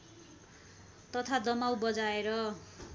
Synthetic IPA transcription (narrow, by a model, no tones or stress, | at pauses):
t̪ʌt̪ʰad̪ʌmawbʌd͡zaeɾʌ